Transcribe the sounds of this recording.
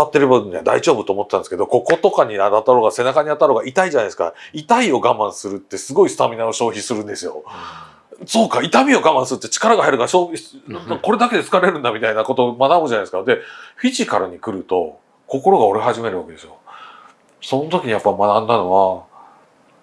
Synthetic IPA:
at̪ːe̞ɾɯ̟baɲʲia̰d̪a̰iʑo̞ːbɯ̟t̪oːmot̪ːeːãnesɨ̥ke̞d̪oko̞ko̞t̪o̞kaɲ̟iat̪at̪ːaɾo̞ːɡase̞nakaɲ̟iat̪ːaɾo̞ːɡaʔit̪aid͡ʑanajd̪esɨ̥ka̰it̪aio̞ɡamãɰ̃sɨɾɯ̟t̪ːe̞sɨɡo̞isɨ̥t̪amʲinaoɕo̞ːçisɨɾɯ̟̃nd̪e̞sɨjo̞̰ | so̞ːkait̪amʲio̞ɡamãsɨɾɯ̟t̪ːt͡ɕi̥kaɾaɡahaeɾɯ̟kaɕo̞ːiko̞ɾe̞d̪ake̞d̪e̞t͡sɨ̥kaɾe̞ɾɯ̟̃nd̪amʲit̪ainako̞t̪o̞manamɯʑanaeɨ̥kad̪e̞ɸʲiʑikaɾɯ̟ɲ̟ikɯ̟ɾɯ̟t̪o̞ | ko̞ko̞ɾo̞ɡao̞ɾeɦaʑime̞ɾɯ̟βake̞d̪e̞sɨjo | so̞not̪o̞kʲiɲ̟ijapːaimanãnd̪ano̞βa

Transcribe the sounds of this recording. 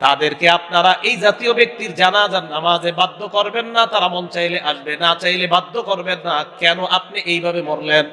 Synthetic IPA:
t̪ad̪eɾkeap̚naɾaʔejd͡ʑat̪iobek̚t̪iɾd͡ʑanad͡ʑaɾnamad͡ʑebad̪ʱːokoɾbenːat̪aɾamɔnt͡ɕajleʔaʃbenat͡ɕajlebad̪ʱːokoɾbenːakɛnoʔap̚niʔejbʱabemoɾlen

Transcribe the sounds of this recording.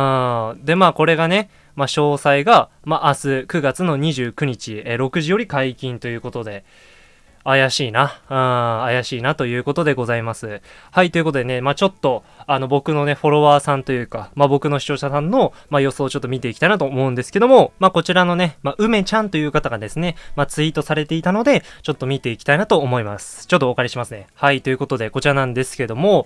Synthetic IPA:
ɯd̪e̞maːko̞ɾe̞ɡane̞ | maɕo̞ːsaiɡa | maʔːsɨkɯ̟ɡat͡sɨno̞ɲ̟iʑɨːkɯ̟ɲ̟it͡ɕieɾo̞kɯ̟ʑijo̞ɾʲikaikʲĩnt̪o̞jɯ̟ːko̞t̪o̞d̪e̞ | ajaɕiːnaɯ̃ːajaɕiːnat̪o̞jɯ̟ːko̞t̪o̞d̪e̞ɡo̞zaimasɨhait̪oiɯ̟kot̪od̪e̞nemaːt͡ɕo̞t̪ːo̞ | ano̞bo̞kɯ̟no̞ne̞ɸo̞ɾo̞βaːsãnt̪o̞jɯ̟ːkamabo̞kɯ̟no̞ɕi̥t͡ɕo̞ːɕasãnːo̞majo̞so̞ːt͡ɕo̞t̪ːo̞mʲit̪e̞ikʲit̪ainat̪oːmo̞ɯ̟̃nd̪e̞sɨ̥ke̞d̪o̞mo̞mako̞t͡ɕiɾano̞ne̞maʔɯ̟me̞t͡ɕãnt̪o̞jɯ̟ːkat̪aɡad̪e̞sɨne̞mat͡sɨit̪o̞saɾe̞t̪e̞it̪ano̞d̪e̞t͡ɕo̞t̪ːo̞mʲit̪e̞ikʲi̥t̪ainat̪o̞ːmo̞imasɨ̥t͡ɕo̞t̪ːokaɾʲiɕimasɨne̞hait̪o̞jɯ̟ko̞t̪o̞d̪e̞ko̞t͡ɕiɾanãnd̪e̞sɨ̥ke̞d̪o̞mo̞

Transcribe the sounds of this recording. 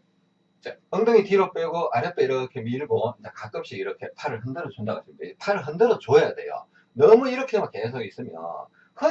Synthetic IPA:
id͡ʑeʌŋdʌŋitiɾop͈eɡoʔaɾjʌt͈eiɾʌkʰe̞miɭɡod͡ʑekak͈ɯp̚ɕ͈iiɾʌkʰe̞pʰaɾɯɭɦɯndɯɾʌt͡ɕondaɡa̰s͈ʰindeid͡ʑepʰaɾɯɭɦɯndɯɾʌt͡ɕoejade̞̰jo̰ | nʌmuiɾʌkʰemak͈ːe̞s̬ʰoɡis͈ɯmjʌ̰ | hɯ

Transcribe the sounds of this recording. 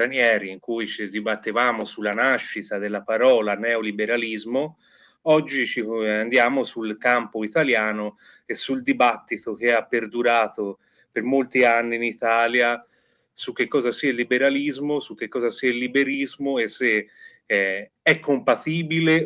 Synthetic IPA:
ɾanjɛːɾiːŋkujt͡ʃid̪ibat̪ːivaːmosulːanaʃːit̪ad̪elːapaɾɔːlanɛolibeɾalizmo | ɔd͡ʒːit͡ʃiand̪jaːmosulkampoit̪aljaːno | esːuld̪ibat̪ːit̪ok̟eapːeɾd̪uɾaːt̪o | permolt̪ianːiːnit̪aːlja | sukːekːɔːzasiailːibeɾalizmosuk̟ːekːɔːzasiailːibeɾizmoesːe | ɛkːompat̪iːbile

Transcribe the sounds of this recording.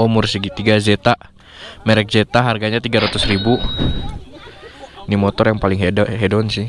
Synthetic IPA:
ɔmursəɡit̪iɡad͡ʒet̪a | mɛɾɛk̚d͡ʒet̪aɦarɡaɲat̪iɡaɾat̪usribu | nimɔt̪ɔrjaŋpalɪŋɦedɔɦedɔnsɪh

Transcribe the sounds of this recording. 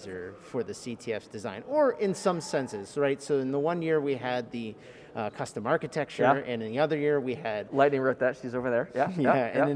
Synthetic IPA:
zə˞fə˞ðɨsitʰiɛfsd̥ɨzãɪ̃nə˞ʔɪ̃nsʌ̃msɛ̃nsɪz̥ɹaɪtsoʊɨ̃nðəwʌ̃njɪɹwiɨd̪̚ðɨ | kʰʌstə̃mɑɹkɨtʰɛk̚t͡ʃə˞ɨ̃nɨ̃nðiʌðə˞jɪɹwiɨd̥̚laɪtⁿnɪ̃ŋɹoʊt̪̚ðætʃizoʊvə˞ðə˞jæjæɨ̃nɨ̃

